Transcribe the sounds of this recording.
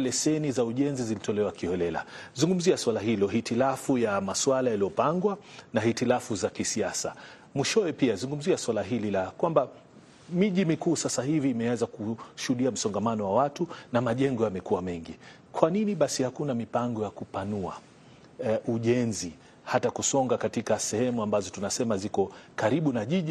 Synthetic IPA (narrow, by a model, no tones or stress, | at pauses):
lɛsɛnizauʄɛnzizilitɔlɛwakiɔlɛla̰zuŋɡum̩ziaswalaɦilɔɦitilafujamaswalajaliɔpaŋɡwanahitilafuzakisiasa | muʃɔwɛpiazuŋɡum̩ziaswalaɦililakwamba | miʄimikuːsasaɦiviːmɛazakuʃuhuɗiam̩sɔŋɡamanɔwawatunamaʄɛŋɡɔjamɛkuwamɛŋɡi | kwaniniɓasihakunamipaŋɡɔjakupanua̰ | ʔuʄɛnzi | hatakusɔŋɡakatikasɛhɛmuambazɔtunasɛmazikɔkaɾiɓunaʄiʄi